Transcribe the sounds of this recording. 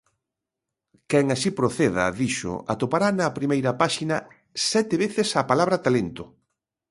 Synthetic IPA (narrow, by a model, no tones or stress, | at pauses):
kɛŋasipɾoθeðɐ̰ðiʃʊ̰a̰t̪opaɾanɐpɾimejɾɐpaʃinɐ | sɛt̪eβeθɪsapalaβɾɐt̪alent̪ʊ